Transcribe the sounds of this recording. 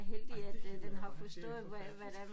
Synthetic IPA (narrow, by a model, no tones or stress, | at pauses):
ɦeld̥iæd̥d̥enɦɑ̈fɒsd̥ɔ̰̽ːð̞̩ˠʋæʋæd̥æ